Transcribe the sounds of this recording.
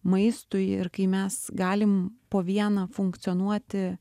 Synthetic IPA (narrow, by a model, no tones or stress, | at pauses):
mɐɪst̪ʊjɪɾkɐɪmʲɛsɡɑːlʲɪmpoːʋʲiɛnɐfʊŋkt̪sʲɨoːnuɔt̪ʲɪ